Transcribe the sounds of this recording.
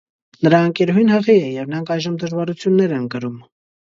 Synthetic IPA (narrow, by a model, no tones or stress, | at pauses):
nəɾɑəŋkɛɾuɦinhəʁiɛjɛvnɾɑŋkʰɑjʒəmd̪əʒvɑɾut͡sʰjunːɛɾɛnɡəɾum